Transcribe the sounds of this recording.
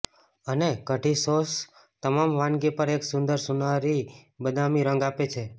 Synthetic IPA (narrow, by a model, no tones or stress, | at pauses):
ənekəʈisos | t̪əmamʋãnɡepəɾeksʊ̃nd̪əɾsunaɾibəd̪ʱamiɾə̃ŋɡapet͡ʃʰe